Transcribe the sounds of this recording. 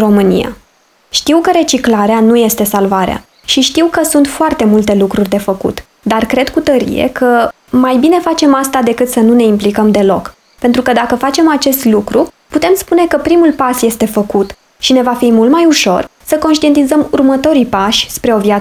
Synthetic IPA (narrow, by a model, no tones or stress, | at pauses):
ro̞mɨnḭja̰ | ʃt̪iwkəɾe̞t͡ʃiklaɾeanuje̞st̪e̞salvaɾea̰ | ʃiʃt̪iwkəsunt̪foart̪e̞mult̪e̞lukɾurʲd̪e̞fəkṵt̪ | d̪arkɾe̞d̪kut̪əɾḭje̞̰kʰə | majbine̞fat͡ʃe̞mast̪ad̪e̞kɨt̪sənune̞implikəmd̪e̞lo̞k | pent̪ɾukəd̪akəfat͡ʃe̞mat͡ʃe̞st̪lukɾu | put̪e̞mspune̞kəpɾimulpasje̞st̪e̞fəkut̪ | ʃine̞vafimult̪majuʃo̞̰rsəko̞nʃt̪ient̪izəmurmət̪o̞ɾipaʃʲspɾe̞o̞vjat